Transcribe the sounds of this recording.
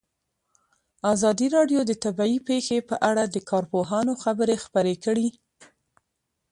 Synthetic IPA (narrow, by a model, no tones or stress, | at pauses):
azɑd̪iɾɑɖjod̪ət̪abɑipexepəʔaɽad̪əkʰɑɾpoɦɑnoxabəɾexpəɾekəɽi